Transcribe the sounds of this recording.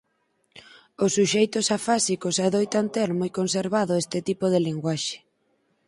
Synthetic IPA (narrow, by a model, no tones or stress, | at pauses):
osːuʃejt̪ʊsafasikosaðojt̪ant̪eɾmoikonseɾβaðʊest̪ɪt̪ipoð̞ɪliŋɡwaʃe̥